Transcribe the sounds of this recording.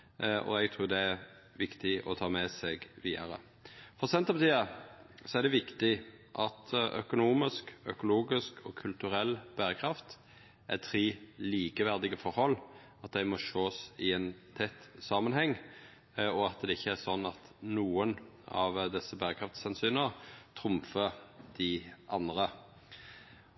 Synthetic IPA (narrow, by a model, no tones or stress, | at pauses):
ʔɔ̰ɛɡt̪ʰɾuːɾd̪ɛæɾ | ʋɪkt̪ɪɔ̰t̪ʰɑːmɛsɛɡʋiːɑɾə̰ | fɔsɛnt̪ɑbɑt̪ʰiːɑsɔæʁd̪ɛʋɪkt̪ɪʔɑt̪œ̰kʊnuːmɪskœkʊluːɡɪskʰɔkʰʉlt̪ʉɾɛlːb̥æːɾəkʰɾɑft̪ | ʔæt̪ʰɾiːliːkəʋæʁd̪ɪɡəfɔɾhɔlː | ɑt̪̚d̪æɪmɔʃoːsɪɛnt̪ʰɛt̪ːsɑːmənhɛŋː | ɔɑt̪̚d̪ɛɪçːəæsɔnɑt̪nuːən | ɑ̰ʋd̪ɛsːəbæːɾəkʰʁɑft̪sɛnsyːnəʁt̪ʰɾʊmfəd̪̥ɪʔɑnd̪ʁə